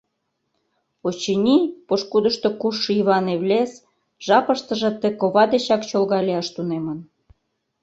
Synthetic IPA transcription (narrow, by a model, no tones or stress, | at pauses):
ot͡ɕinʲipoʃkud̪əʃt̪okuʃːiβɑneβlʲes | ʒ̥ɑpəʃt̪ə̆ʒə̆t̪ekoβɑd̪et͡ɕɑkt͡ɕolɣɑlʲeɑʃt̪unemən